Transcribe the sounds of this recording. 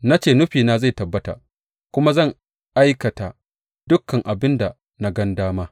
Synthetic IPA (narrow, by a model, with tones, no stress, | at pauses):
na˦t͡ʃeː˦˨nʊ˦ɸiː˨naː˦za˦˨jtɐ˨bːɐ˦ta̰ː˨ | kʷʊ˦ma˦zɐ˦˨ŋ | ʔa˦jkɐ˨ta˨ | d̥ʊ˦kʰːɐ˨ŋʔa˨bɪ˦nda˨ | na˦ɡɐ˦ndaː˦maː˦